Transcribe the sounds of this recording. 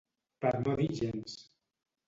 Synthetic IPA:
paɾnoðiʒens

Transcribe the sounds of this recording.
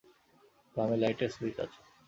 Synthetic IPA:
ɡɾamelajʈesɾit̪a̰t͡ɕʰe̥

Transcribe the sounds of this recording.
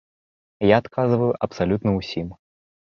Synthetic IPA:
jaːt̪kʰazɨvɐjuʔɐpsalʲut̪nɐwsʲim

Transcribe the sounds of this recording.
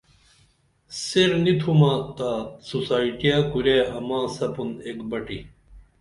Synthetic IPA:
seɾnit̪ʰumaːt̪aːsusaːiʈijaːkuɾeːɐmãːsɐpunekbɐʈi

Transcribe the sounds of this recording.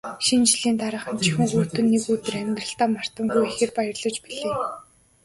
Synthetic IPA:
ʃint͡ɕɮiːnt̪aɾə̆ːχə̆mt͡ɕʰi̥xɘ̆ŋxuːt̪ɵ̆nːekut̪ɘ̆ræmʲt̪rə̆ɬt̪aːmar̥t̪ə̆ŋɡujexĕrpajə̆rɮɞ̆t͡ɕpiɮeː

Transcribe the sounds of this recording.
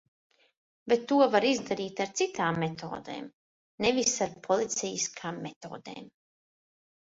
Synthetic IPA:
bet̪ːuɔvaɾizd̪aɾiːt̪aɾt̪sit̪aːmːet̪ʰo̰ːd̪ḛːm | nevisaɾpʰɔlˠit̪sɛjiskʰaːmːet̪o̰ːd̪ḛːm

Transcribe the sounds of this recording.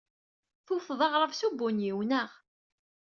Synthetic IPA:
θufðˤɑʁɾˤəvsubːʊnjiwnəʁ

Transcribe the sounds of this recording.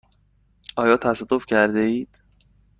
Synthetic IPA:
ɒːjɒːt̪ʰæsæd̪̥ofcʰæɾd̪eiːd̪̥

